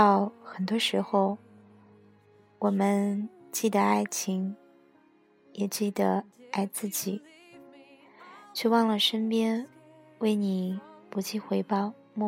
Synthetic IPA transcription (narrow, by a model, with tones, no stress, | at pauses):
t̪ɑ˥˩ʊxə˨˩nt̪wɔ˥ʂɻ̩˧˥xo˥˧ʊ | wɔ˨˩mə˦nt͡ɕi˥˩d̪ə˩a˥˩ɪt͡ɕʰi˧˥ŋ | jɛ˨˩t͡ɕi˥˩d̪ə˩a˥˧ɪt͡sɹ̩˥˩t͡ɕi˨˩˦ | t͡ɕʰy˥˧wɑ˥˩ŋlə˩ʂə˥npjɛ˥nwe˥˩ɪni˨˩pu˧˥t͡ɕi˥˩xwe˧˥ɪpɑ˥˧ʊ | mɔ˥˧